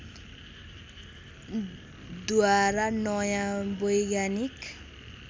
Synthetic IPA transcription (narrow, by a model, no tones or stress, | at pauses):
d̪uaɾanɔjãbojɡanik